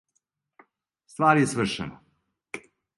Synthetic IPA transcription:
st̪ʋaːɾijesʋr̩ʃḛna

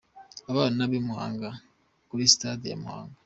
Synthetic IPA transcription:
aβaːnaβimuha̰ːŋɡa | kuɾisi̥tad̪ija̰muha̰ːŋɡa

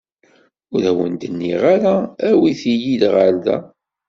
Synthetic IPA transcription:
ʊɾæwənd̪ənːiʁaɾaæwiθijid̪ʁəɾðæ̰

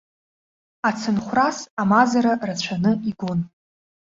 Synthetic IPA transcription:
at͡sʰɨnχʷrasamazaɾarat͡ɕʷʰanɨiɡʷon

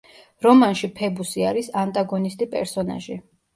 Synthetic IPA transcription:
ɾɔmanʃipʰɛbusiaɾisant̪ʼaɡɔnist̪ʼipʼɛ̰ɾsɔna̰ʒi

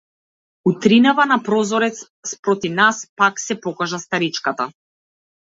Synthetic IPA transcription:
ut̪ɾinavanapɾɔzɔɾɛt̪s | spɾɔt̪ivnaspaksɛpɔkaʒast̪aɾit͡ʃkat̪a

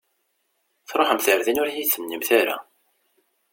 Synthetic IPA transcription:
θɾˤoħəmθəɾðinʊɾjiθənːimθaɾa̰

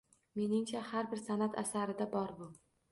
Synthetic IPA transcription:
me̞nɪŋt͡ʃʰahaɾbɪɾsanat̪ʰa̰saɾɪd̪abɒɾbʊ

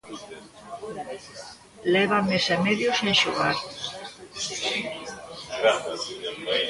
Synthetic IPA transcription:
lɛβamesemeðjosenʃuɣaɾ

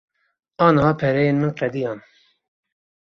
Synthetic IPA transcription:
ɑːnhɑːpʰɛɾɛjeːnmɨnqɛd̪ijɑːn

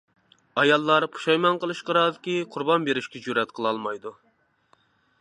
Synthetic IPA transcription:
ɑjɑlˠːɑɾpʰu̥ʃɑjmɑnqəlˠɨʃqɑɾɑːd̪ɪkʲiqʰʊɾbɑnbeɾɪʃkʲɛd͡ʒuɾɛt̪qʰəlˠɑlˠmɑjd̪u

